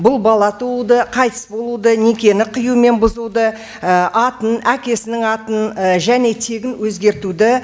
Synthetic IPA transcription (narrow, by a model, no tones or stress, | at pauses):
bʊlˠbɑlˠɑt̪ʰuud̪əqʰɑjt̪ə̥sbo̞lˠud̪əne̞kʲe̞nɪqʰəjume̞nbʊzud̪ə | əʔɑt̪ənækʲe̞sɪnɪŋɑt̪ənəʒæne̞t̪ʰe̞ɡʲɪnwɵzɡʲe̞ɾt̪ud̪ɪ